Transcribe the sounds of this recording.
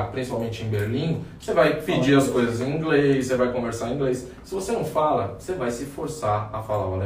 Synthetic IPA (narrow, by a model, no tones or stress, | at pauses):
pɾĩsi̥pawmẽt͡ʃɪẽj̃beɾlĩsevajpid͡ʒiɐskojzɐzẽĩɡlesːevajkõveɾsaɾ̃ĩɡlejs | sɪvosenɐ̃w̃falɐsevajsɪfoɾsaɐfalaɐle